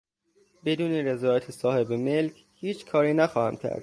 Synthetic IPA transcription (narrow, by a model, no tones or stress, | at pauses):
be̞d̪uːneɾezɒːjæt̪ʰesɒːhe̞bemelcʰ | hiːt͡ʃʰkʰɒːɾiːnæxɒːhæmcʲʰæ̰ɾd̪̚